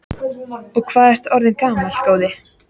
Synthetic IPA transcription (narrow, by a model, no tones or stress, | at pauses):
ɔɣkʰvaːðɛr̥t̪ɔɾðɪnkaːmalkoːwðɪ